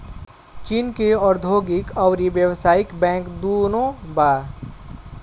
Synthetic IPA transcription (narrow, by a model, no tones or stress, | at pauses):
t͡ʃiːnkeɔːɾd̪ʱoːɡɪkɔʊɾibjəwsaːɪkbɛ̃ːŋkd̪oːnõbaː